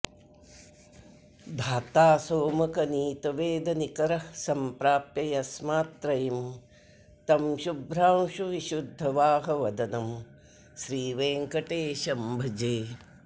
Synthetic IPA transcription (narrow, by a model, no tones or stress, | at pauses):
d̪ʱaːt̪aːsoːmɐkɐniːt̪ɐʋeːd̪ɐnikɐɾɐsɐmpɾaːpjɐjɐsmaːt̪ɾɐjim | t̪ɐmʃubʱɾaːwʃuʋiʃud̪ʱːɐʋaːɦɐʋɐd̪ɐnɐm | ʃɾiːʋeːŋkɐʈeːʃɐmbʱɐd͡ʒeː